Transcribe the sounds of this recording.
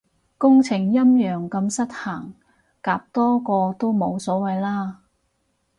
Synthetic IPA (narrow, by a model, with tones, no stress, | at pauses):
kʊ˥ŋt͡sʰɪ˨˩ŋjɐ˥mjœː˨˩ŋkɐ˧msɐ˥t̚haː˨˩ŋ | kaː˨˧p̚t̪ɔː˥kɔː˧t̪o˥wmo˨˧wsɔː˨˥wɐ˨jlaː˥